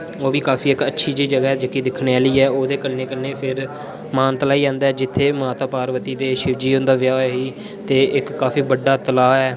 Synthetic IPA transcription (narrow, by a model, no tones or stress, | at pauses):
oːʋiːkaːpʰiːɪkətːʃʰiːd͡ʒeiːd͡ʒəɡaːd͡ʒəkiːd̪ɪkʰːɽeːaːliːɛːoːd̪eːkəlneːkəlneːpʰɪɾ | maːnt̪əlaːiːd͡ʒãːnd̪aːɛːd͡ʒɪt̪ʰːeːmaːt̪aːpaːɾʋət̪iːd̪eːʃɪʋd͡ʒiːõːnd̪aːʋɪjaːɦiː | t̪eːɪkːaːfʰiːbəɖːaːt̪əlaːɛː